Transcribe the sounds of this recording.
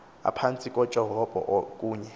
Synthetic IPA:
a̰pʰant͡sʼikʼɔ̥t͡ʃʼɛɦɔb̥ʱɔ̰ʔkʼuːɲɛ

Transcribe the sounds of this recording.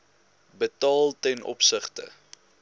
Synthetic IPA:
bətɑːlˠtɛnʔɔ̰psəχtə̰

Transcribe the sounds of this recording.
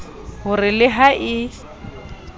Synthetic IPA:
hʊrɪlɪɦaʔɪ

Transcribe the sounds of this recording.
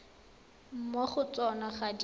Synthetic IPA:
m̩mɔχʊt͡sɔnaχad

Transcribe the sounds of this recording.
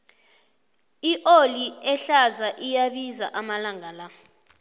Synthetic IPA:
iʔoliɛɬazaʔijaɓizaʔamalaŋʱala

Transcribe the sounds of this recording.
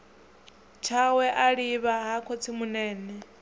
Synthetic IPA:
t͡ʃʰawɛʔaɺiβaɦakʰot͡sʰimunɛːnɛ

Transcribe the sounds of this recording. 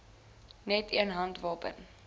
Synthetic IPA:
nɛtʰiənɦɐntvɑːpə̰n

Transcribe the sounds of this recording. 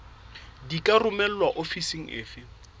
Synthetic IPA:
dikʼarʊmɛl̩lwaʔofisiŋ̩ʔɪ̰ːfɪ

